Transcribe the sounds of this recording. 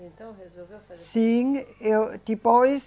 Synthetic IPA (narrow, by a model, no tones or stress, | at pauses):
siŋ | d̥ib̥ɔis